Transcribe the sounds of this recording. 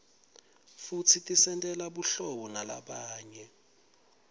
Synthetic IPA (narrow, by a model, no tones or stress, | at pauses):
futʰitʼisɛntʼɛlaɓuɬɔɓɔnala̰ɓaːɲɛ